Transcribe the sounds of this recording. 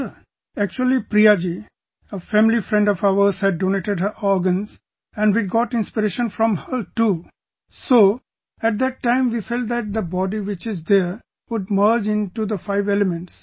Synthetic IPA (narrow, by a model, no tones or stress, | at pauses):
æk̚t͡ʃuəlipɾiad͡ʒi | əfæ̃mlifɾɛ̃ɳɖɔfaʊəɾzhæɖ̚ːoneʈeɖɦəɾɔɾɡə̃nz | ɛ̃ɳɖʋiɡɔʈɪ̃nspɪɾeʃə̃nfɾɔ̃mhəʈu | soː | æʈ̚d̪æʈːãɪ̃mʋifɛlʈ̚d̪æʈ̚d̪əbɔɖiʋɪt͡ʃɪzd̪eɾ | ʋʊɖ̚məːɾd͡ʒɪ̃nʈud̪əfaɪʋeləmẽɳʈs